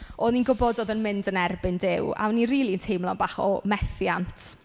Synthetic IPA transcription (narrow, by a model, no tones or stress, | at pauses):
ɔninɡʊbɔdoːðənmɪndənɛrbɪndɪwa̰wniriːlˠiəntʰejmlˠɔnbaχɔ̰mɛθjantʰ